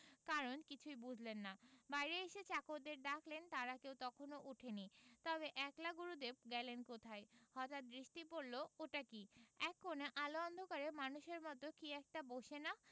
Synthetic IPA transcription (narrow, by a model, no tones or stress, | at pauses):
kaɾonkit͡ɕʰujbud͡ʑʱlenːabajɾeeʃet͡ɕakoɾd̪eɾd̪akʰlent̪aɾakewt̪ɔkʰonoʔuʈʰenit̪ɔβeʔɛklaɡuɾud̪ep̚ɡɛlenkot̪ʰaehɔt̪at̪̚bɾiʃʈipoɾlooʈakiɛkːoneʔaloɔnd̪ʱokaɾemanuʃeɾmɔt̪okiɛk̚ʈaboʃena